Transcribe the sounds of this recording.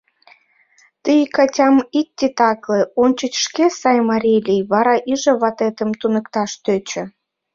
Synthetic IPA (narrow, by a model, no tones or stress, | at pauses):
t̪əjkɑtʲɑmitʲːit̪ɑkleonʲt͡ɕət͡ɕʃkesɑjmɑɾʲilʲijβɑɾɑʔiʒəβɑt̪et̪əmt̪unə̆kt̪ɑʃt̪øt͡ɕə̆